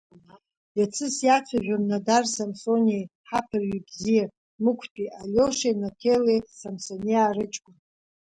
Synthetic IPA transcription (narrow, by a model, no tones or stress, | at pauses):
jat͡sʰɨsjaχʲʷʰaʒᶣamnadarsamsonʲejħapʰɨrɥibzija | mɨkʷʰtʼiʔalʲoʂenatʰelesamsonijaːɾɨt͡ʃʼkʷʼʊn